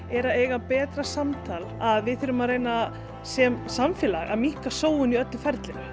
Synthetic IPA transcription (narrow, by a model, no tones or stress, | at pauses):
ɛɾaeːjɣapɛːt̪ɾasamt̪ʰaːlaðvɪðθɪɾʏmaðɾejna | sɛmsamfjɛːlaɣa̰ðmihkasoːwʏniœt̪lʏfɛɾt̪lɪn